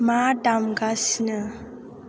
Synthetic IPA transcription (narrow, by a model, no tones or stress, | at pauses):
madamɡasnə